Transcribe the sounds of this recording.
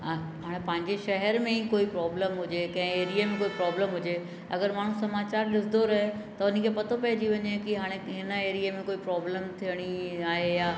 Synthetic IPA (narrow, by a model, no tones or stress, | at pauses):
a | ɦaːɽ̃ẽpɐ̃ɦɪ̃ɲd͡ʑeʃɐɦɛɾmẽikoːipɾɔːbləmɦʊd͡ʑekɐ̃ɦɪ̃eːɾiemẽkoːipɾɔːbləmɦʊd͡ʑe | ɐ̰ɡəɾmaːɳ̤̃ũsɐmaːt͡ɕaːɾlɪsɪd̪oɾɐɦe | t̪ɐʊnənkʰeːpɐt̪ʰopɐːd͡ʑiʋɐɲekiɦaːɽ̃eɦɪnəeːɾiemẽkoːipɾɔːbləmt̪ʰijəɽ̃iaːɦejaː